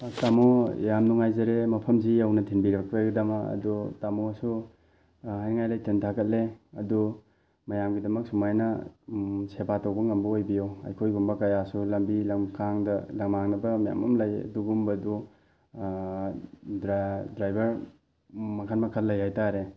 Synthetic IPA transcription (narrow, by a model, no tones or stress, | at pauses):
tamojamnuŋajzɐɾemɐpʰɐmsiɐwnɐtʰinbiɾɐk̚peɡidɐmɐɐ̰dutamoɐsu | ɦajnɐŋajlɐjtʰentʰakɐt̚leɐdu | mɐjamɡidɐmɐk̚sumajnɐ | sebatawbɐŋɐmbɐojbijoɐ̰jkʰojɡumbɐkɐjasulɐmbilɐkʰaŋdɐlɐŋmaŋnɐbɐmaja̰mɐmlɐj̰duɡumbɐdu | dɾdɾajbɐɾ | mɐkʰanmɐkʰɐlːɐjɦajtaɾe